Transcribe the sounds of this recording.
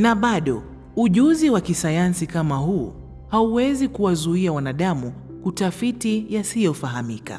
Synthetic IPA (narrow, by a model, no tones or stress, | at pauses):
naɓaɗɔ̰ | uʄuziwakisajansikamahu | hauwɛzikuwazuiawanaɗamu | kutafitijasijɔfaɦamika̰